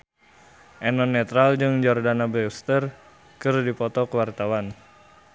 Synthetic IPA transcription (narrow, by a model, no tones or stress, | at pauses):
ʔɛnɔnːɛt̪ɾald͡ʒɨŋd͡ʒɔrdanabɛst̪ər | kɨrdipɔt̪ɔkəwart̪awan